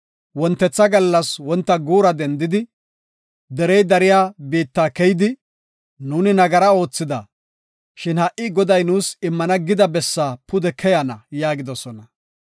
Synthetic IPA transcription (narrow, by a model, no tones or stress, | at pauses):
wɔnt̪ːɛt͡sːɐɡɐlːɐswɔnt̪ːɐɡuːɾɐd̪ɛnd̪ɪd̪ɪ | d̪ɛɾɛjd̪ɐɾɪjaːbiːt̪ːaːkɛjd̪ɪ | nuːnɪnɐɡɐɾɐo̞ːt͡sːɪd̪ɐ̰ | ʃɪnhɐʔɪɡɔd̪ɐjnuːsɪmːɐnɐɡɪd̪ɐbɛsːaːpʊd̪ɛkʰɛjɐnɐjaːɡɪd̪ɔsɔnɐ